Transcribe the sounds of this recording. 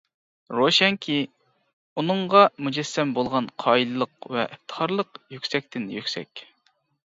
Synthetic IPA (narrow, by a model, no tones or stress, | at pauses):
ɾoʃɛŋkʲʰi | unɨɴʁɑmud͡ʒɛsːɛmbolˠʁɑnqʰɑːilˠɨlˠəqvɛ̰ʔɪft̪ʰə̥qʰɑɾlˠəqjykʲsɛk̚ʲt̪ʰɪnjykʲsɛ̰kʲ